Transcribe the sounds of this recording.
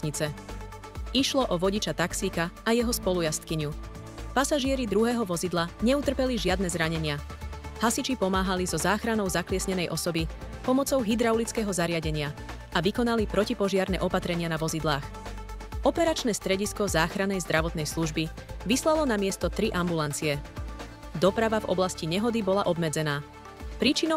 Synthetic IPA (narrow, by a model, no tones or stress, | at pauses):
ɲit͡sɛ | iʃlɔʔɔʋɔɟit͡ʃat̪aksiːkaːjɛɦɔspɔlujast̪kiɲu | pasaʒɪɛɾid̪ɾuɦɛːɦɔʋɔzid̪laɲɛut̪r̩pɛliʒɪad̪nɛzɾaɲɛɲɪahasit͡ʃipɔmaːɦalizɔzaːxɾanɔʊzaklɪɛsɲɛnɛjʔɔsɔbi | pɔmɔt͡sɔʊɦid̪ɾaʊlit͡skɛːɦɔzaɾɪaɟɛɲɪa | ʔaʋikɔnalipɾɔcipɔʒɪaɾnɛ̰ʔɔpat̪ɾɛɲɪanaʋɔzid̪laːx | ʔɔpɛɾat͡ʃnɛst̪ɾɛɟiskɔzaːxɾanɛjzd̪ɾaʋɔt̪nɛjsluʒbi | ʋislalɔnamɪɛst̪ɔt̪ɾiʔambulant͡siɛ | d̪ɔpɾaʋavɔ̰blasciɲɛɦɔd̪ibɔlaʔɔbmɛd͡zɛnaː | pɾiːt͡ʃinɔ